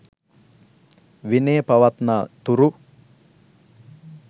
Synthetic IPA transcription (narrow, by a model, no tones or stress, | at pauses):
ʋineːpaʋat̪naːt̪uɾu